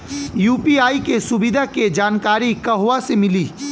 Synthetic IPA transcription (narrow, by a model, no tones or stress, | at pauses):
juːpiaːikesʊbɪd̪ʱaked͡ʒaːnkaːɾikɐɦʋasemɪliː